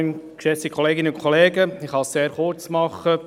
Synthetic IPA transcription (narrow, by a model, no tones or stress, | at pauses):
nkʃɛsikʰχɔleːɡɪnəʊnkʰoleːɡəɪχhɑsseːɾχʊɾt͡smɑχːə